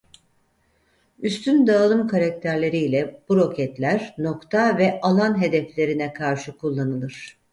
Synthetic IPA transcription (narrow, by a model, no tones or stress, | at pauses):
yst̪ʰynd̪aːlˠɯmkʰaɾak̚t̪ʰæɾlʲe̞ɾijlʲɛb̥uɾo̞cʰɛt̪lʲæɾno̞kt̪ʰavɛʔalˠanɦe̞d̪ɛflʲe̞ɾinɛkʰaɾʃɯkʰulˠːanɯlˠɯɾ̝̥